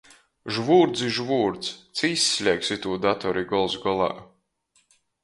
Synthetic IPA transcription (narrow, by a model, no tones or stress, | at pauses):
ʒvuːɾd̪zʲiʒvuːɾt̪st̪siːsʲːlʲiɛksit̪uːd̪at̪ɔɾiɡɔlˠsɡɔlˠɑ̰ː